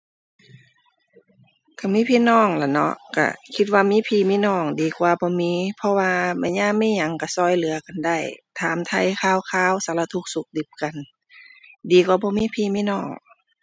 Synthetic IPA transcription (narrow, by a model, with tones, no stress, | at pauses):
kʰa˧˩miː˧˥˨pʰiː˧˨nɔː˧˩ŋla˧˩nɔ̰˧ʔka̰˧˩kʰi˧t̪̚waː˧miː˧˥˨pʰiː˧˩miː˧˨nɔː˧˩ŋdiː˨˩kwaː˧bɔː˧˦miː˧˥˨pʰɔ˧waː˧ma˧˨ɲaː˧˥˨miː˧˥˨ɲa˨˧˦ŋka˧˩sɔː˧˩jlɯ˨˦ɐka˨nda˧˩jt̪ʰaː˨˦mt̪ʰa˧˩jkʰaː˧˨wkʰaː˧˨wsa˧˦la˧t̪ʰu˧˦k̚su˧˦k̚di˧˦p̚ka˨n | diː˨˦kwaː˧˦bɔː˧˦miː˧˥˨pʰiː˧˨miː˧˥˨nɔː˧˩ŋ